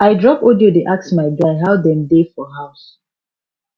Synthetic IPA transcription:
aɪdɹɔpodiodeʔaksmaɪɡaɪɦaʊdɛ̃mdefɔɦaʊs

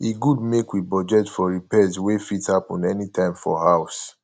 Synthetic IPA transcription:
iɡudmekwibɔd͡ʒɛtfɔɹipɛswefithapɔ̃nɛnitʰãɪ̃mfɔ̰haʊs

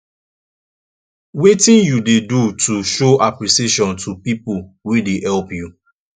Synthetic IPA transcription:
wetĩnjudedutuʃoʔapɾiseʃɔ̃ntʰupipuwedehɛlpju

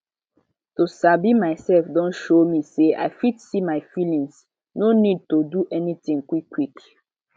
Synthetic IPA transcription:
tusabimaɪsɛlfdɔ̃ntʃomiseʔa̰ɪfitsimaɪfilĩŋs | nonid̚toduʔɛnitĩŋkwikːwik

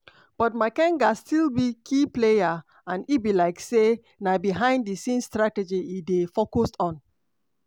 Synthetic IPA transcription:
b̥ɔtmaɪkɛ̃ŋɡastʰilˠbikʰipleja | ãnibilaɪkse | nabiɦãɪ̃nddisĩnstɹatɛd͡ʒiidefokostɔ̃n

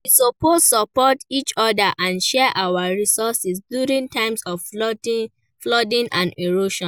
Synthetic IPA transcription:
isopostsɔpɔtit͡ʃɔdaʔãnʃɛʔawaɹisɔsisdjuɹĩntʰãɪ̃msɔv | flɔdĩnʔãneɹoʃɔ̃

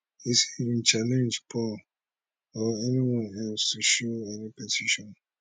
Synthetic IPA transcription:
isiĩnt͡ʃalɛ̃nd͡ʒpʰɔl | ɔɛniwɔ̃nɛlstuʃoɛnipɛtʰiʃɔ̃n

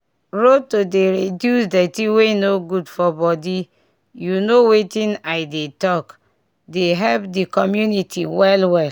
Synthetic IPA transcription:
ɾotodeɾedjusdɛtiwenoɡudfɔbɔdi | junowetĩnaɪdetɔk | deɦɛpdikɔmjunitʰiwɛlwɛ

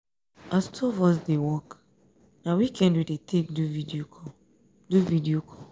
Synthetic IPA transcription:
astʰɔvɔs̬dewɔk | nawikʰɛ̃ndwidetʰek̚duvidiokʰɔ | duvidiokʰɔ

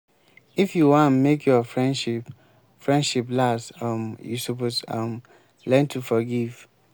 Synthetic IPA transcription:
ifjuwãmekʰjɔfɹɛ̃nʃip | fɹɛ̃ndʃiplasʌmjṵsoposʌm | lɛ̃ntʰufɔɡiv̥

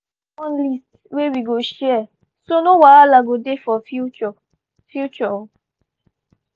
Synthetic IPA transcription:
wɔnlist | wewiɡoʃɛ | sonowaalaɡodefɔfut͡ʃɔ | fjut͡ʃɔ

